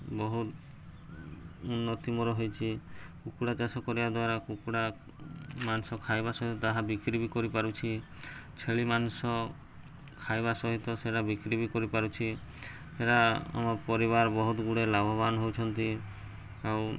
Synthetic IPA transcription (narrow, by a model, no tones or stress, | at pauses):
bɔɦut̪ | unːɔt̪imɔɾɔɦojt͡ʃʰikukuɽat͡ʃasɔkɔɾibad̪waɾakukuɽa | mansɔkʰajbasɔɦit̪ɔt̪aɦabikɾibʱikɔɾipaɾut͡ʃʰi | t͡ʃʰeɭimanusɔ | kʰajβasɔɦit̪ɔseɽabikɾibikɔɾipaɾut͡ʃʰi | eɾaa̰mapɔɾiβaɾbɔɦut̪ɡuɽelabʱɔbanɔɦowt͡ʃʰɔnt̪i | aw